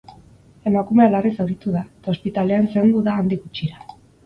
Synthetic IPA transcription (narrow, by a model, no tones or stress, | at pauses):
e̞makume̞alarisawɾit̪uðaet̪ao̞spit̪ale̞anse̞nd̪uðaːnd̪iɣut͡ʃiɾa